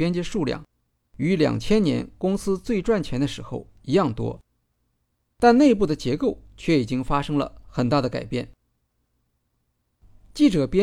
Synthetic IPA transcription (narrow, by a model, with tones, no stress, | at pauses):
pjɛ˥nt͡ɕjɛ˥ʂu˥˧ljɑ̰˥˩ŋ | y˧˥ljɑ̰˨˩ŋt͡ɕʰjɛ˥nnjɛ̰˧˥nkʊ˥ŋsɹ̩˥t͡swe˥˧ɪʈ͡ʂwa˥˩nt͡ɕʰjɛ˧˥nd̪ə˧ʂɻ̩˧˥xo̰˥˧˩ʊ | i˧˥jɑ˥˩ŋt̪wɔ̰˥ | t̪a˥˧nne˥˧ɪp̬u˥˩d̪ə˩t͡ɕjɛ˧˥ko˥˩ʊt͡ɕʰɥɛ˥˩i˨˩t͡ɕi˥ŋfa˥ʂɤ˥ŋlə̰˧xə˨˩nt̪a˥˩d̪ə˩ka̰˨˩ɪpjɛ̰˥˩n | t͡ɕi˥˩ʈ͡ʂɤ˨˩pjɛ˥